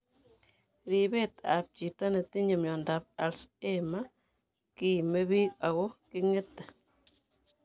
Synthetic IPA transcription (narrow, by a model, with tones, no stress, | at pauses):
ɾi˨be˦tap̚t͡ʃi˨ta˦ne˨ti˦ɲe˨mjɔ˨ndap̚alsema | ki˨me˦βi˦ka˨ɣɔki˦ŋe˦tːa˨